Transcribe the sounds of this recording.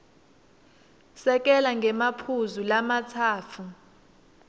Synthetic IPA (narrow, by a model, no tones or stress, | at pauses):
sɛk̬ʼɛlaŋɡʱɛmapʰuzulamat͡sʰaːt͡fʰu